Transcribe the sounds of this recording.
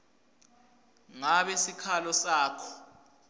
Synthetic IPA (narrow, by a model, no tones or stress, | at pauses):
ŋaɓesikʰalɔsaːkʰɔ̥